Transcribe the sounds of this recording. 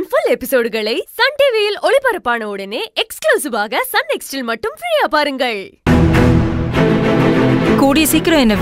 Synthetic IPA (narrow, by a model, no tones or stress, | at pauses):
fʊlɛpːɪsoːɽɯɣɐɭɐɪsɐɳɖeːʋejɪlɔɭɪpɐɾɐpːaːnɐɯɽɐneːʔɛkskluːsɪʋaːɣɐsɐnɛksʈɪlmɐʈːɯmfɪɻɐjaːpaːɾɯŋɡɐɭ | kuːɽɪjɐsiːkːɪɾõɛnːɐ